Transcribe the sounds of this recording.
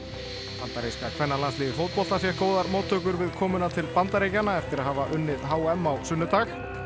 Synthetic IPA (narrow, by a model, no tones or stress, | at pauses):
pant̪aɾejskakʰvɛnːaɾlanst̪ɪːðɪfoːwt̪̚pɔl̥t̪asjɛhkoːwðaɾmoːwt̪ʰːʏkʏɾvɪðkʰɔːmʏnat̪ʰɪlpant̪aɾejcanaɛft̪ɪɾaðhaːvaʔʏnːɪðɦaːwɛmːawsʏnːʏt̪ax